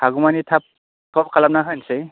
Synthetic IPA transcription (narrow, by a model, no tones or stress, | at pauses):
haɡumanitʰap̚ | tʰɔp̚kʰalap̚naɦɯjnse